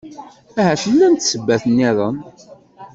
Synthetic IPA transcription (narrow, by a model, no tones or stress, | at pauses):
æɦæʃəlːænt̪səbːæθənːiðˤən